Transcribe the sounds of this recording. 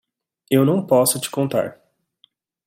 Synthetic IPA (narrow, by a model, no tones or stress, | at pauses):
ewnɐ̃w̃pɔsʊt͡ʃɪ̥kõnt̪a̰ɾ